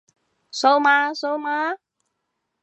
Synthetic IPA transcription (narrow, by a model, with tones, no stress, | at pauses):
so˦˥wma˧so˦˥wma˦